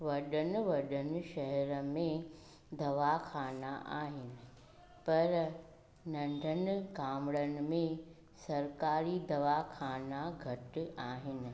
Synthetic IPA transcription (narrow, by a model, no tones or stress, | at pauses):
ʋɐɗənɪ̆ʋɐɗənɪ̆ʃɐɦɛɾəmẽ | d̪ɐʋakʰaːnaʔa̰ːɦɪnɪ̆ | pɐɾ | nɐ̃ɳɖʱənɪ̆ɡaːmɭənɪ̆mẽ | sɐɾkaːɾid̪ɐʋakʰaːnaɡʱɐʈɪaːɦɪnɪ̆